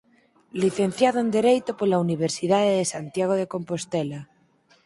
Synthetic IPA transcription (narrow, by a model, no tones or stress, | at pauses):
liθen̟θjaðoend̪eɾejt̪opolauniβ̞eɾsiðaðeðesant̪jaɣ̞oðekompost̪ela